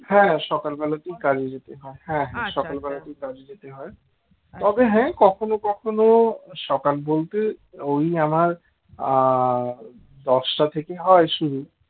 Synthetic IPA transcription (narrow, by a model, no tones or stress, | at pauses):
hɛ̃ʃɔkalbɛlaʈikaɾid͡ʑet̪eɦɔeɦɛ̃ɦɛ̃ʃɔkalbɛlaʈikaɾid͡ʑet̪eɦɔe | t̪ɔbeɦɛ̃kɔkʰonokɔkʰonoʃɔkalbolt̪eojamaɾ | d̪ɔʃʈat̪ʰekeɦɔeʃuɾu